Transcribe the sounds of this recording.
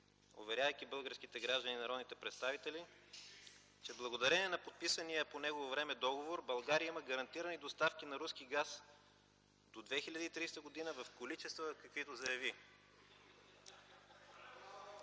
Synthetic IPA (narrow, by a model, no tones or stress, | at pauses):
o̰vɛɾʲjavəjk̟ibɤlˠɡəɾskit̪ɛɡɾaʒd̪əninɐɾɔd̪nit̪ɛpɾɛt̪st̪avit̪ɛli | t͡ʃɛblˠɐɡod̪ɐɾɛniɛnɐpot̪̚pisənijəponɛɡovovɾɛmɛd̪ɔɡovoɾbɐlˠɡaɾijəimɐɡɐɾɐnt̪iɾənid̪ost̪afk̟inɐɾuskiɡas | d̪od̪vɛxilʲɐd̪iːt̪ɾist̪əɡod̪inəvɐfkolit͡ʃɛst̪vəkɐkvit̪ozɐjɐvi